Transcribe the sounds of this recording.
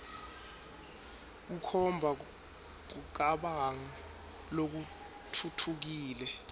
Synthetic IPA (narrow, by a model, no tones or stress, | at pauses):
k̬ukʰɔmbʱa | k̬uǃaɓaŋa | lok̬u | tʰutʰuk̬iːlɛ